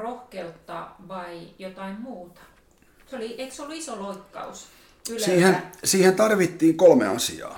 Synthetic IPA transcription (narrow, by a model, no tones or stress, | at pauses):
rohkelt̪ːɑ̰ʋɑijot̪ɑimmuːt̪ɑ̥ | seolieiksolːuisoloikːɑ̰us | kylsiːhensiːhent̪ɑrʋit̪ːiːŋkolmḛɑ̰sḭɑ̰ː